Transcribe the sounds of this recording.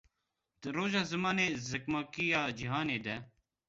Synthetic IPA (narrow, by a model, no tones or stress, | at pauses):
ɾoːʒɑːzɐmɑːneːzɐkmaːkijɑːd͡ʒiɦaːneːd̪ɛ